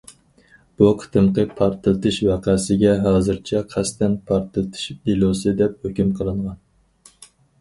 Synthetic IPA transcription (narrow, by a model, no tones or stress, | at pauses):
b̥uqʰə̥t̪ʰɨmqəpʰɑɾt̪ʰɨlˠɨt̪ʰɨʃwæqʰæsɪɡʲɛɦɑːzɨɾt͡ʃʰɛqʰæst̪ɛnpʰɑɾt̪ʰɨlˠɨt̪ʰɨ̥ʃilˠosɨd̪ɛp̚høkʲymqʰəlˠɨɴʁɑn